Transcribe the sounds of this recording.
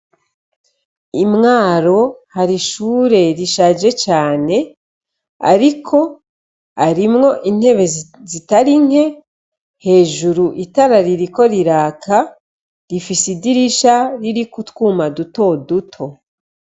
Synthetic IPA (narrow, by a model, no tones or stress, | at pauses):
imŋaːɾo̞haɾiʃuːɾe̞ɾiʃaːd͡ʒe̞t͡ʃaːne̞ | a̰ɾikʰo̞ | aɾimŋo̞ʔin̥he̞βe̞zitaɾiŋe̞ | he̞ːʒuɾuʔitaɾaɾiɾiko̞ɾiɾaːkʰa | ɾifisidiɾiʃaɾiɾikutwuːmaduto̞dutʰo̞